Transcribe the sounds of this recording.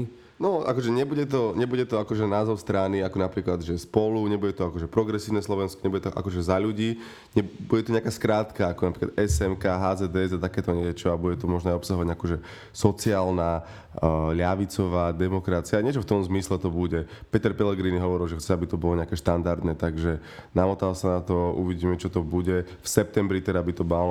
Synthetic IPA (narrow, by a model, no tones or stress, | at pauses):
nɔʔa̰kɔʒɛɲɛbuɟɛt̪ɔɲɛbuɟɛt̪ɔakɔʒɛnaːzɔʊst̪ɾaniakɔnapɾiːklad̪ʒɛspɔluɲɛbuɟɛt̪ɔakɔʒɛpɾɔɡɾɛsiːʊnɛslɔʋɛnskɔ̥ɲɛbuɟɛt̪ɔʔa̰kɔʒɛzaʎuɟiː | ɲɛbuɟɛt̪uɲɛakaːskɾaːt̪kaakɔnapɾikla̰d̪ɛsɛmkaɦaːzɛd̪ɛɛzat̪akɛːt̪ɔɲɛt͡ʃɔabuɟɛt̪ɔmɔʒnɔajɔpsaɦɔʋaɟakɔʒɛ | sɔt͡siaːlna | ʎaʋit͡sɔʋaːd̪ɛmɔkɾat͡siaɲɪɛt͡ʃɔft̪ɔmzmislɛt̪ɔbuɟɛpɛt̪ɛɾpɛlɛɡɾiːniɦɔʋɔɾilˠʒɛxt͡sɛabit̪ɔbɔlɔɲɛakɛʃt̪and̪aɾd̪nɛt̪aɡʒɛ | namɔt̪alsanat̪ɔṵʋiɟiːmɛt͡ʃɔt̪ɔbuɟɛ | fsɛp̚t̪ɛmbɾit̪ɛdabit̪ɔmal